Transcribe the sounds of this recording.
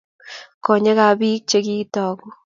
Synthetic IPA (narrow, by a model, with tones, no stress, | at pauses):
kɔ˨ɲe˦ka˨bi˦k̚t͡ʃe˦ki˦tɔː˨ku˦